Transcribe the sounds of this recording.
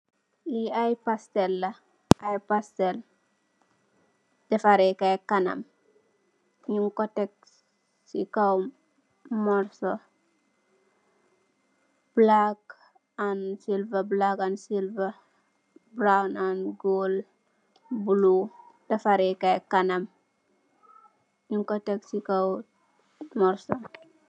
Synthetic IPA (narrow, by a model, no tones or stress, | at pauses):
liajpastɛlːɐ | ʔajpastel | dɐfaɾekajkanɐ̰m | ɲiŋkɔtek̚ | sḭkawm | mɔɾso | b̥lak | ansilvɐblakansilvɐ | bɾawnanɡoːl | bulu | d̥ɐfaɾɛkajkanɐm | ɲuŋkotɛksikaw | mɔɾso